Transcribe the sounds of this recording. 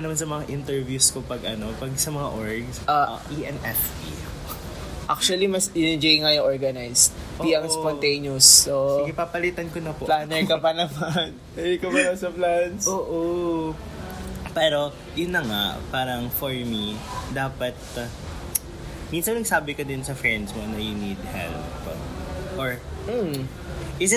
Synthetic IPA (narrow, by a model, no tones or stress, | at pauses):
nɐmansɐmɐŋaʔɪnt̪ɛɹvjuskopɐɡʔɐno̞pɐɡsɐmɐŋaʔoɹɡsaʔiʔɛnʔɛftḭ | ʔa̰k̚t͡ʃuɐlimɐsɪnɪd͡ʒejŋajʊʔoɹɡɐnajsiɐŋspɔnt̪ejnososɡɛpapɐlit̪ɐnkonɐpoplanɛɹkɐpɐnɐmɐn | ɛdikɐmɐnɐsɐplansoːʔo | pɛːɾo̞ | jʊnːɐŋa̰paːɾɐŋfoɹmid̪aːpɐt̪̚ | minsɐnɐɡsaːbɪkod̪ɪnsɐfɹɛnd̪smonɐjʊnid̪hɛ̰lpː | ɐ̰ʔoɹm̩ | ʔɪsɪ